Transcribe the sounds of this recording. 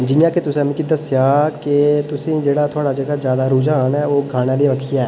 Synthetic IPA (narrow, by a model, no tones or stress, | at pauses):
d͡ʒɪjãket̪ʊsẽɐmĩkid̪ɐsjaːket̪ʊsĩd͡ʒeːɽat̪ʰoːɽad͡ʒɐɡazjaːd̪aɾuːd͡ʒaːnɦɛoːɡʱaːnalieʋəkʰijaɛː